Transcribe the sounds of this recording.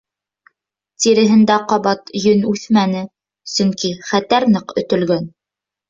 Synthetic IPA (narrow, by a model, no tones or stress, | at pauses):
t̪iɾɘ̆ɦɘ̆nd̪æqɑβɑt̪jɵnʉθmænɘ | sɵŋkiχæt̪æɾnɤqɵ̆t̪ɵ̆lɡɵn